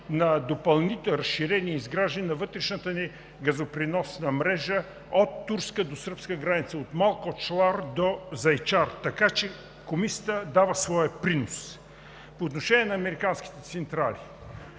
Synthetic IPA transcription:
nɐd̪opɐlˠnit̪ɛlɾɐsʃiɾɛniɛizɡɾaʒd̪ənʲinɐvɤt̪ɾɛʃnət̪əni | ɡɐzopɾinɔsnɐmɾɛʒə | ot̪ːuɾskəd̪osɤɾpskəɡɾanit̪səot̪malˠkot͡ʃlˠaɾd̪ozɐjt͡ʃaɾt̪ɐkat͡ʃɛ | komisʲət̪əd̪avəsvɔjəpɾinos | poːt̪noʃɛnʲiɛnɐɐmɛɾikansk̟i̥t̪ɛt̪sɛnt̪ɾali

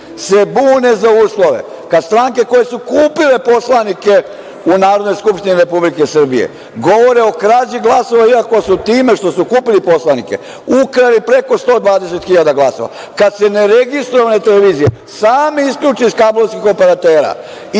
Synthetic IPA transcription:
se̞buːne̞zauːslˠo̞ʋe̞̰ | kad̪st̪ɾaːŋke̞ko̞jesukuːpile̞po̞slˠanike̞ | unaːɾod̪nojskupʃt̪iniɾe̞publikesr̩bijḛ | ɡo̞ʋo̞ɾeokɾad͡ʑiɡlˠaːso̞ʋaiako̞sut̪iːme̞ʃt̪o̞sukuːpilipo̞slˠanike̞̰ | ukɾalipɾe̞ko̞st̪o̞ːd̪ʋaːd̪ese̞t̪xiʎad̪aɡlˠaːso̞̰ʋa̰ | kad̪se̞ne̞ɾe̞ɡist̪ɾoʋanet̪eleʋiːzije | saːmiiskʎʲuːt͡ʃiiskabloskixo̞pe̞ɾat̪e̞ːɾa̰

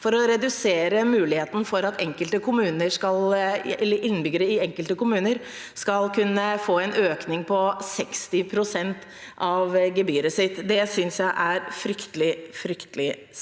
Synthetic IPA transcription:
fɔɾɔɾɛd̪ʉseːɾəmʉːlɪheːt̪n̩fɔɾɑt̪ʰɛŋkəlt̪əkʰʊmʉːnəʂkɑlɛlːəɾʔɪnːbʏɡəɾəɪɛŋkəlt̪əkʊmʉːnəɾ | skɑlkʰʉnːəfoːɛnøːknɪŋpʰɔsɛkst̪ɪpʰɾʊsɛnt̪ | ɑʋɡɛbyːɾəsɪt̪ːd̪ɛsʏnsjæɪʔæɾfɾʏkt̪əlɪfɾʏkt̪əlɪ

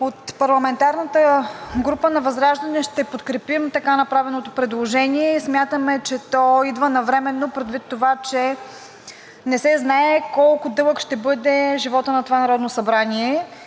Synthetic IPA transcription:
ot̪pɐɾlˠɐmɛnt̪aɾnət̪əɡɾupənɐvɐzɾaʒd̪ɐnɛʃt̪ɛpot̪kɾɛpimt̪ɐkanɐpɾavɛnot̪opɾɛd̪lˠoʒɛniɛismʲjat̪əmɛt͡ʃɛt̪ɔid̪vənɐvɾɛmɛnːopɾɛd̪vit̪ːovat͡ʃɛ | nɛsɛznaɛkɔlˠkʊd̪ɤlˠəkʃt̪ɛbɤd̪ɛʒivɔt̪ənɐt̪ovanɐɾɔd̪nosɐbɾaniɛ

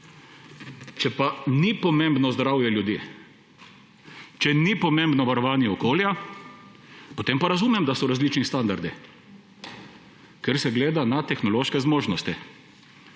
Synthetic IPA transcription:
t͡ʃɛpanipɔmembnɔzd̪ɾawjɛljud̪jeː | t͡ʃɛnipɔmembnɔʋaɾɔʋaːnjɛɔkoːlja | pɔt̪empaɾazumɛmd̪asɔɾazlit͡ʃnist̪and̪aɾd̪i | kɛɾsɛɡleːd̪anat̪ɛxnɔloːʃkɛzmoːʒnɔst̪i

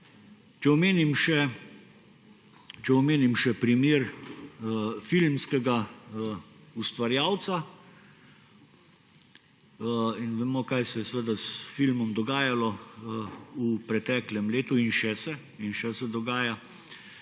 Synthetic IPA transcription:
t͡ʃɛɔmeːnimʃɛ | t͡ʃɛɔmeːnimʃɛpɾimeːɾ | filmskɛɡa | ust̪ʋaɾjaːwt̪sa | inʋɛmokajsɛjɛsʋəd̪asfilmɔmd̪ɔɡaːjalɔ | upɾɛt̪ɛːklɛmleːt̪uinʃɛsɛ | inʃɛsɛd̪ɔɡaːja

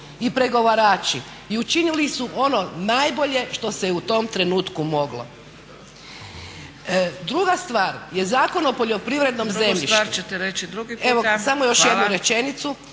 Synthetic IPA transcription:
ipɾe̞ɡo̞ʋaɾaːt͡ʃi | iut͡ʃinilisuʔo̞no̞najbo̞ʎe̞ʃt̪o̞seut̪o̞mt̪ɾe̞nuːt̪kumo̞ɡlo̞̰ | d̪ɾuɡast̪ʋaːɾje̞zaːko̞no̞poʎo̞pɾiʋɾe̞d̪no̞mzemʎiʃaɾt͡ʃet̪eɾet͡ʃid̪ɾuɡieʋosamojo̞ʃjed̪nuɾe̞t͡ʃe̞nit̪su

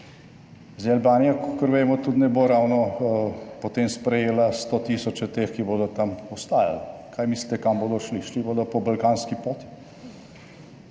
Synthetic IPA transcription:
zealbaːnijakɔkəɾʋeːmɔt̪ut̪nɛboːɾaːwnɔ | pɔt̪eːmspɾɛjeːlast̪ot̪iːsɔt͡ʃɛt̪eːxkiboːd̪ɔt̪amɔst̪aːja̰lkʰajmislit̪ɛkamboːd̪ɔʃliʃliboːd̪ɔpɔbɐlkaːnskipoːt̪i̥

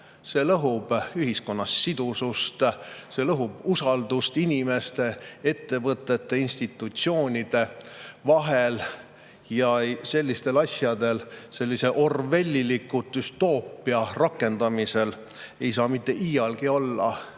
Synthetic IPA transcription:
se̞lɤɦub̥yɦisko̞nːɑsːid̪̥usust̪se̞lɤɦub̥usɑld̪ust̪inʲime̞st̪e̞e̞t̪ːe̞vɤt̪ːˑe̞t̪ːe̞inst̪it̪ˑːut̪sio̞ːnʲid̪̥e̞vɑɦe̞l | jɑse̞lʲːist̪e̞lɑsʲjɑd̪̥e̞lse̞lʲːise̞ʔo̞rve̞lʲːilikːˑut̪ːˑyst̪o̞ːpˑːiɑrɑkːˑe̞nd̪̥ɑmise̞l | e̞jsɑːmit̪ːˑe̞ʔiːjɑlɡ̥io̞lːɑ̰

